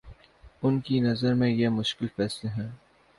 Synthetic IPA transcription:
ʊnkinɐzəɾmẽjemʊʃkɪlfɛːsleɦɛ̃ː

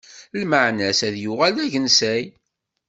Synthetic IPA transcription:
lməʕnæsæðjʊʁælæʝənsæj

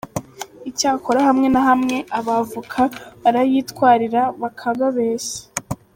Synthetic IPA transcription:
icaːkʰo̞ɾahamŋe̞naɦamŋe̞ʔaβavukʰaβaɾajiːtkwaːɾiɾaβakʰaɡaβeːse̥

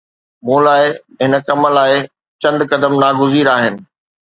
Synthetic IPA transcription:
mũːlaːɪ | ɦɪnəkɐməlaːɪ | t͡ɕɐ̃nd̪kɐd̪əmnaːɡʱʊziːɾaːɦɪnɪ̆

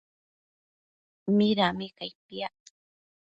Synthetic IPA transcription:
mɪɾamɪkajpia

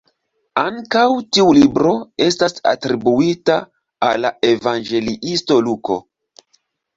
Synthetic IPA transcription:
aŋkawtiulibɾo̞e̞stasa̰tɾibuita | a̰lːaevanɡe̞liʔisto̞luko̞̰

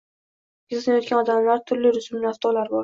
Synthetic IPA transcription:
ɡʲɪzsɪnajot̪kʲanɒd̪amlaɾt̪ʰʊɾlɪɾʊsʊmaft̪ʰɒlaɾbɒɾ

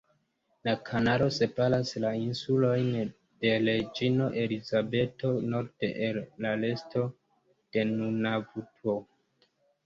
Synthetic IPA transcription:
nakʰanaɾo̞se̞palaslainsulo̞jn | d̥e̞led͡ʒino̞ʔe̞lizabe̞to̞no̞ɾdeʔelːale̞sto̞ | d̥e̞nunavuto

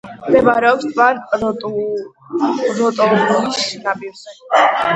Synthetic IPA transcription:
md̪ɛvaɾɛɔpst̪ʰmant̪ʼ | ɾɔt̪ʼɔɾɔisnabiɾsɛ

